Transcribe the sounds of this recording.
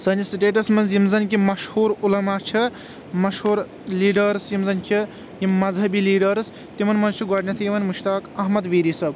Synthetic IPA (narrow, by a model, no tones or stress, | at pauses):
sɐnisiʈeːʈ̬ɐsmɐnzjimzɐnkʲimɐʃhuːɾulɐmaːt͡ʃʰi | mɐʃhuːɾ | liːɖɐɾsjimzɐnkʰi | jimɐzɦɐbiliːɖɐɾs | t̪imɐnmɐnzt͡ʃʰiɡaːʈnʲɐt̪ʰɐjiʋɐnmuʃt̪aːkɐɦmɐd̪ʋiːɾisɐb